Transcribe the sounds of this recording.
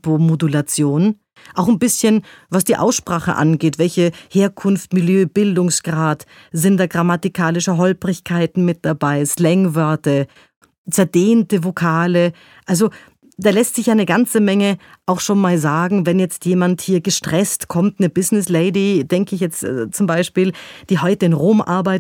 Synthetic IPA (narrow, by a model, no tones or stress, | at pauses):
pomodulat͡sjoːn | ʔaʊxnbɪsçənvasd̥iːʔa̰ʊsʃpʁ̥aːχə̰ʔa̰nɡeːtvɛlçəheːɐkʰʊnftmɪljøːb̥ɪldʊŋsɡ̥ʁaːt | zɪntd̥aːɡʁamatikʰaːlɪʃəɦɔlpʁɪçkʰaɪtn̩mɪt̚d̥abaɪslɛŋvœɐtɐ | t͡sɛɐdeːntəvokʰaːlə | ʔalzo | d̥aːlɛstz̥ɪçjaːnəɡant͡səmɛŋəʔaʊxʃoːnmaːlzaːɡŋ̩vɛnjɛt͡stjeːmanthiːɐɡəʃtʁ̥ɛstkʰɔmtnəbɪznɪsleɪdid̥ɛŋkəɪçjɛt͡stːt͡sʊmbaɪʃpiːld̥iːɦɔʏtəɪnʁoːmʔa̰ɐbaɪt